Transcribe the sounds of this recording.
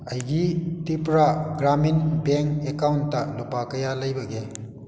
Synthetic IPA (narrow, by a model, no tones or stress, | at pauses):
ɐjɡitipɾaɡɾaminbeŋkekawntːɐlupakɐjalɐjbɐɡe